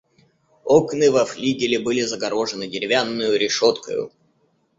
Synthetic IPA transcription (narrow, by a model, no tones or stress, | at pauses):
oknɨvɐflʲiɡʲɪlʲɪbɨlʲɪzəɡɐɾo̞ʐɨnɨdʲɪɾʲɪvʲanːʊjʊɾʲɪʂot̪kə̰jʊ̰